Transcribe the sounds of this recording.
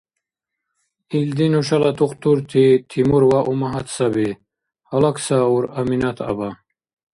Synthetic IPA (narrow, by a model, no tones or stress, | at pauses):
ild̪inuɕalat̪uqt̪uɾt̪ʰit̪ʰimuɾwaʔumaɦat̪sabi | hɐlaksauɾɐminat̪ʰɐ̰ba